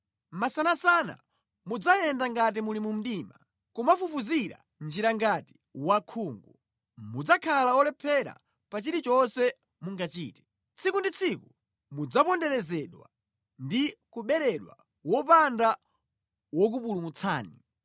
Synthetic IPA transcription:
masanasana̰ | mud͡zajɛndaŋɡat̬imulimum̩ɗima | kumafufuziɾa̰ | nd͡ʒiɾaŋɡati̥ | wakʰuːŋɡu | mud͡zakʰalaɔlɛpʰɛɾa̰ | pat͡ʃiɾit͡ʃɔnsɛ | muŋɡat͡ʃiːtɛ̥ | t͡sʰikundit͡sʰiku | mud͡zapɔndɛɾɛzɛɗwa̰ | ndikuɓɛɾɛɗwa̰ | wɔpanda | wɔk̬upulumut͡sʰaːni

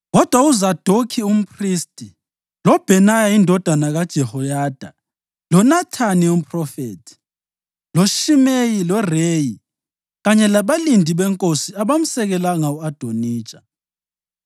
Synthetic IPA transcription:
ɣɔd̥ʱwauzad̥ʱokʰium̩pʰʼristʼi | lɔb̥ʱɛnajaindʱɔd̥ʱanaɣad̥ʒ̥ʱɛhɔjad̥ʱa | lɔnatʰanium̩pʼrɔfeːtʰi̥ | loʃimejilɔreji | ɣaɲɛlaβalindʱiβɛŋkʼosiaβam̩sɛɣɛlaŋauad̥ʱoniːt͡ʃʼḁ

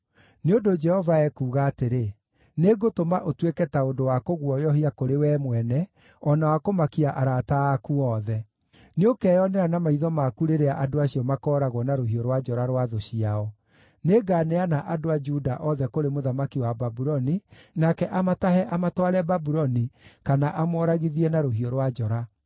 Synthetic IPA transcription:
neondod͡ʒɛhɔvaɛkuːɣaːteɾe | neɡotomaʔotwekɛtaodowakoɣwɔjɔɦiakoɾewɛːmwɛnɛ | ɔnawakomakiaʔaɾataːkuɔːðɛ | neokɛjɔnɛɾanamaiðɔmakuɾeɾeaʔadoaɕiɔmakɔːɾaɣwɔnaɾoɦiɔɾwad͡ʒɔɾaɾwaðoɕiaɔ | neɡanɛanaʔadoad͡ʒudaʔɔðɛkoɾemoðamakiwababuɾɔninakɛʔamatahɛʔamatwaɾɛbabuɾɔnikanaʔamɔɾaɣiðiɛnaɾoɦiɔɾwad͡ʒɔɾa

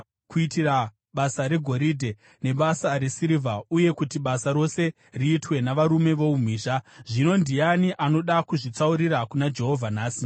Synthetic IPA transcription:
kuitira | ɓasaɾe̞ɡʱo̞ɾidʱe̞ | ne̞ɓasaɾe̞siɾivʱauje̞kutiɓasaɾo̞se̞ | riːtwe̞naʋaɾume̞ʋo̞um̤iːʃaʐino̞ndijaniʔano̞ɗakuʐit͡sauɾiɾakunad͡ʒe̞ɦo̞vʱanaːsi

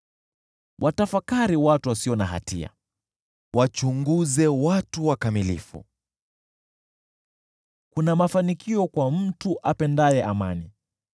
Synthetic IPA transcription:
wʔatafakaɾiwatuwasiɔnaɦa̰tḭa̰ | wat͡ʃuŋɡuzɛwatuwakamilḭfṵ | kunamafanikiɔkwam̩tuʔapɛndajɛʔama̰ni

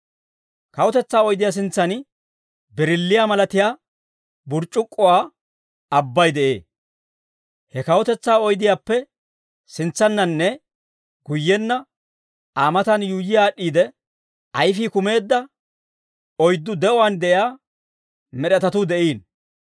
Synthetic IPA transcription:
kɐwɔt̪ɛt͡sːaːɔjd̪ɪjaːs̬ɪnt͡sːɐn | bɛɾɪlːɪjaːmɐlɐt̪ɪjaː | bʊɾt͡ʃʼːʊkʼːɔwaː | ɐbːɐjd̪ɛʔe̞ː | hɛkɐwɔt̪ɛt͡sːaːɔjd̪ɪjaːpːɛ | sɪnt͡sːɐnːɐnːɛ | ɡʊjːɛnːɐ | ʔaːmɐt̪ɐnjuːjɪjaːɗːiːd̪ɛ | ʔɐjfiːkʊme̞ːd̪ːɐ | ɔjd̪ːʊd̪ɛʔɔwand̪ɛʔɪjaː | mɛɗɛt̪ɐt̪ʊd̪ɛʔiːn

